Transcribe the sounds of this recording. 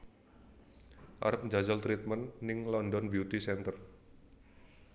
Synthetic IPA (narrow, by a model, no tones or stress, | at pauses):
ʔa̰ɾəp̚ɲd͡ʒad͡ʒalt̪ɾit̪̚mənːɪŋlɔndɔnbjut̪isɛnt̪ər